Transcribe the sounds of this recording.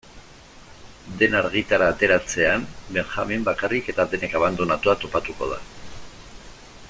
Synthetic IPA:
d̪e̞naɾɣit̪aɾaːt̪e̞ɾat͡se̞ambe̞ŋxa̰mimbakarike̞t̪aðe̞ne̞kaβ̞and̪o̞nat̪uat̪o̞pat̪uko̞ð̞a̰

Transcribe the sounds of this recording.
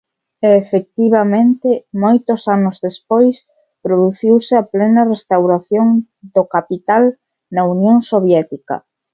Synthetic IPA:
eːfek̚t̪iβ̞amẽnt̪ɪmojt̪ʊsanozðespojs | pɾoðuθiwsɪaplɛnɐrest̪awɾaθjoŋ | d̪okapit̪al | nɐunjoŋsoβjɛt̪ikɐ̰

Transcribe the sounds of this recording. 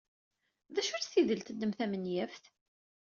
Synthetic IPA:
ðæʃʊɾsiðəlt̪əd̪ːəmθæmənjæfθ

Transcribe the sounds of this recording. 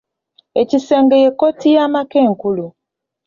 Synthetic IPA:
eciseːŋɡejekotijamake̞ːŋkulu

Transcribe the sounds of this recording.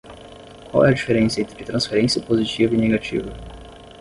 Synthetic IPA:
kʷwa̰wɛɐd͡ʒifeɾẽsiɐẽt̪ɾɪt̪ɾɐ̃sfeɾẽsiɐpozit͡ʃivɐineɡat͡ʃḭvɐ

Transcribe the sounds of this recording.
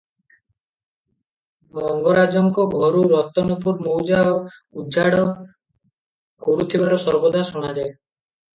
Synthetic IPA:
mɔŋɡɔɾad͡ʒɔŋkɔbʱɔɾuɾɔt̪ɔnɔpuɾmowd͡ʒaoud͡ʒaɽɔ | koɾut̪ʰibaɾɔsɔɾbɔd̪ʱaʃuɽ̃ad͡ʒae

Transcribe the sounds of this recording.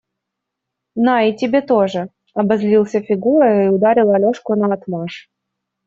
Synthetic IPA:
naɪtʲɪbʲet̪oʐɨ | ɐbɐzlʲilˠsʲəfʲɪɡuɾəɪʊd̪aɾʲɪlˠɐlʲoʂkʊnɐɐt̪maʂ

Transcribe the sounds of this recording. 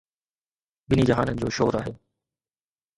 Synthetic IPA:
bɪnid͡ʑɐɦaːnənɪ̆d͡ʑoːʃoːɾaːɦeː

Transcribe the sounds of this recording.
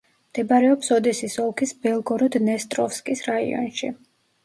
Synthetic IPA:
md̪̥ɛbaɾɛɔpsɔd̪ɛsisɔlˠkʰisbɛlˠɡɔɾud̪nɛst̪ʼɾɔfskʼisɾaḭɔ̰nʃḭ

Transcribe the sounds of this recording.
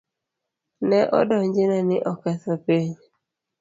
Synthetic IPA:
nɛʔɔ̰dɔɲd͡ʒɪnanɪʔɔkɛsɔpeɲ

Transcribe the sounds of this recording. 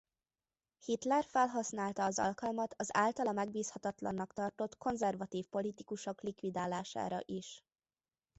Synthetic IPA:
hit̪lɛrfɛlɦɒsnaːlt̪ɒːzɒ̰lkɒlmɒt̪ɒzaːlt̪ɒlɒmɛɡ̚biːshɒt̪ɒt̪lɒnːɒkt̪ɒrt̪o̞t̪ko̞nzɛrvɒt̪iːfpo̞lit̪ikuʃo̞klikʋid̪aːlaːʃa̰ːɾɒ̰ʔiʃ

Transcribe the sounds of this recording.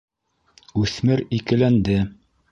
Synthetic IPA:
ʉθmɘɾikɘ̆lænd̪ɘ

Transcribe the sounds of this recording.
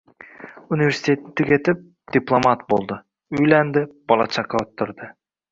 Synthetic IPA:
univʲe̞ɾsi̥t̪ʲe̞t̪ːɪke̞t̪ɪp̚ | d̪̥ʲiplˠomat̪̚bo̞lˠd̪ɤ | ʏjlænd̪ɪb̥ɑlˠɑ̰t͡ʃʰɑqɑot̪ːʊɾd̪ə

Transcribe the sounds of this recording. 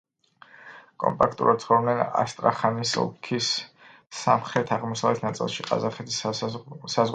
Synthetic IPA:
kʼɔ̰mpʼakʰt̪ʼṵɾʔa̰d̪̚sʰχɔɾɔb̪nɛna̰st̪ʼɾaχanisɔ̰lkʰisː | amχɾɛt̪ʰaʁmɔsavlɛt̪ʰnat̪sʼḭlˠʃiqʼa̰zaχɛt̪ʰi̥ssazʁ

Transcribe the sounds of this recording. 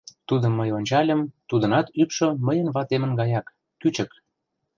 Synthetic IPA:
t̪ud̪ə̆mːəjonʲt͡ɕɑlʲə̆mt̪ud̪ə̆nɑt̪ypʃŏməjə̆nβɑt̪emə̆nɡɑjɑkː | yt͡ɕə̆k

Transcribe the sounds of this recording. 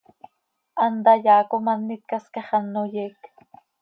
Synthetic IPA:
ʔɑnd̪ɑjaːkomanːit̪̚kaskɑχɑnːojeːk

